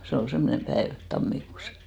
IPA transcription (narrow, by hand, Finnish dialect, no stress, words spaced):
se ol semːonem pæeʋ tɑmːikuːs